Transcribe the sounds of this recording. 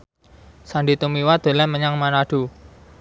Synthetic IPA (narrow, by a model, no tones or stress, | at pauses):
sandit̪umiwad̪̥o̤lɛməɲaŋmanaɖ̥u